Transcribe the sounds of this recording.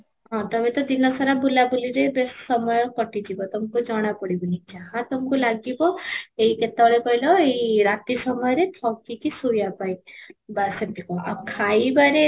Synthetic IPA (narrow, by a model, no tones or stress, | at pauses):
ɦɔ̃t̪ɔbet̪ɔd̪inɔsɔɾabulabuliɾebessɔmɔjɔkɔʈid͡ʒibɔt̪ɔmkud͡ʒɔɽ̃apɔɽibɔnid͡ʒaɦãt̪ɔmkulaɡibɔeiket̪aɭekɔjlɔeiɾat̪isɔmɔjɔɾet̪ʰɔkikisujapajbaset̪ikɔʔakʰaibaɾe